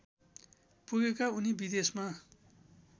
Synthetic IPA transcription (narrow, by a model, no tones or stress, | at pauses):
puɡekaunibid̪esma